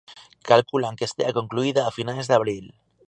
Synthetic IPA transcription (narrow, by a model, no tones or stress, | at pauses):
kalkulaŋkest̪eakoŋkluiðaːfinalezðaβ̞ɾil